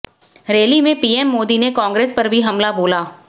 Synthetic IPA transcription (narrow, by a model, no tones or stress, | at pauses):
ɾeːlimẽpiːɛmːoːd̪inekɔ̃ːŋɡɾeːspɐɾbʱiɦɐmlaboːlaː